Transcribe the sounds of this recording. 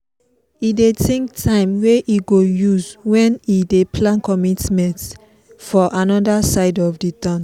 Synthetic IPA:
idetʰẽŋktʰãɪ̃mweʔiɡojuzwɛ̃nidepʰlãnkɔmitmɛ̃nt | fɔʔãnɔdasaɪdɔfditɔ̃n

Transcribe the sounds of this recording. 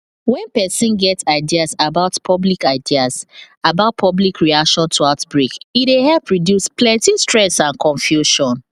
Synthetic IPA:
wɛ̃npɛsĩnɡɛtsaɪdiasabaʊtpʰɔblikaɪdias | abaʊt̚pʰɔblikʰɹiakʃɔ̃ntʰuatbɹikidehɛlpɹidjusplɛ̃ntistɹɛsãnkʰɔ̃ɱfjuʃɔ̃n

